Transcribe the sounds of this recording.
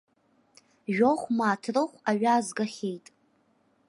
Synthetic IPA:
ʒᶣoχʷmaːtʰrɨχʷaɥaːzɡaχʲejtʼ

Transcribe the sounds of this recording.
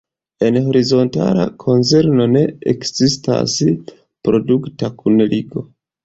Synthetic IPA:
e̞nho̞ɾizo̞nta̰la̰kʰo̞nt͡seɾno̞ne̞ekzista̰s | pɾo̞duktakʰunliɡo̞

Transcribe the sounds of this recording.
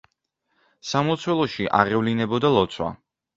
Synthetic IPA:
samɔt̪sʰwɛlˠɔʃiʔa̰ʁɛvlinɛbɔd̪alˠɔt̪sʰwa̰

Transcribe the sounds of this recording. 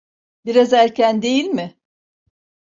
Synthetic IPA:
biɾazæɾcʰænd̪e̞jilʲmɪ

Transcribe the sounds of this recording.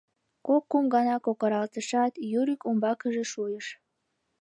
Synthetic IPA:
kokːumɡɑnɑkokəɾɑlt̪əʃɑt̪juɾikumbɑkəʒeʃujəʃ

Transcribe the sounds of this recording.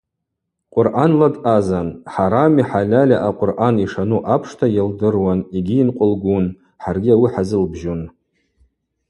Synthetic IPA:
qʷʼʊrʔanladazanħaɾamiħalʲalʲaʔaqʷʼʊrʔaniʂanuʔapʰʂtʰajaldɨrwaniɡʲiːnqʷʼʊlɡʷun | ħarɡʲiawiħazɨlbʒon

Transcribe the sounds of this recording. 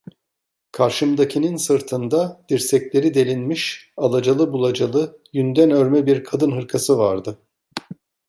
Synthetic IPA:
kʰaɾʃɯmd̪acʰininsɯɾt̪ʰɯnd̪ad̪̥iɾsɛclʲe̞ɾid̪e̞lʲinmiʃalˠad͡ʒalˠɯbulˠad͡ʒalˠɯjynd̪ænøɾmɛbiɾkʰad̪ɯnɦɯɾkʰasɯvaɾd̪ɯ

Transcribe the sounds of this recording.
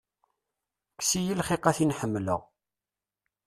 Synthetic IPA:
ksijilχiqæθinħəmːlə̰ʁ

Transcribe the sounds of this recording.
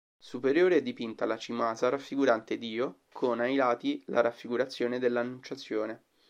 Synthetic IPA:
supeɾjoːɾeɛd̪ːipint̪alat͡ʃimaːzaɾafːiɡuɾant̪ed̪iːo | kʰonajlaːt̪ila̰ɾafːiɡuɾat̪sːjoːned̪elːanːunt͡ʃat̪sːjoːne

